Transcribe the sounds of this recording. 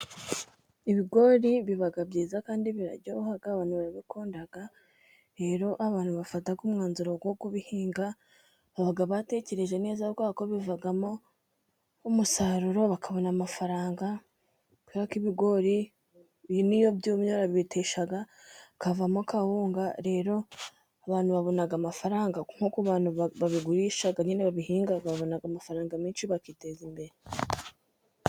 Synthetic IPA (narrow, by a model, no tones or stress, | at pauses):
iβiɡo̞ɾiβiβaɡabɟiːzakaːndiβiɾa̰ɟohaɡaːβaːn̥huβaɾaβikʰoːndaɡ̥a | ɾe̞ːɾo̞ʔaβaːn̥huβafataɡumŋaːnzuɾoɡwoɡuβihiːŋɡa | βaβaɡaβate̞ce̞ɾe̞ʒe̞ne̞ːzabɡwaːko̞βivaɡamo̞ | umusaɾuɾo̞βakʰaβo̞namafaɾaːŋɡa | kwiɾakiβiɡo̞ɾi | nijo̞bjuːmɲoɾaβitʰeʃaɡa | kavamokahuːŋɡaɾe̞ːɾo̞ | aβaːn̥uβaβo̞naɡamafaɾaːŋɡaŋ̥hukuβaːnhuβaβiɡuɾiʃaɡaɲeneβaβihiːŋɡaɡaβaβo̞naɡamafaɾaːŋɡamiːnʃiβakite̞zimbe̞ɾe